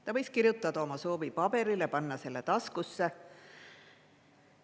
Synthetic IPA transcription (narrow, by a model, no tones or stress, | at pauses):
t̪ɑvɤjskirjut̪ːˑɑd̪̥ɑo̞mɑso̞ːvipɑbe̞ɾilepɑnːɑse̞lːe̞t̪ɑskusːe̞